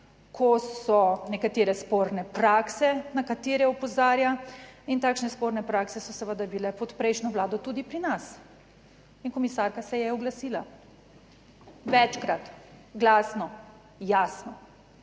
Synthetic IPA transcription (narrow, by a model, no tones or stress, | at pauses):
kʰɔsɔnɛkat̪eːɾɛspoːɾnɛpɾaksɛnakat̪eːɾɛɔpɔzaːɾjaint̪aːkʃnɛspoːɾnɛpɾaksɛsɔsəʋəd̪abilɛpɔt̪pɾɛjʃnɔʋlaːd̪ɔt̪uːd̪ipɾinas | inkɔmisaːɾkasɛjɛɔɡlasiːla | ʋɛt͡ʃkɾat̪ɡlaːsnɔ | jaːsnɔ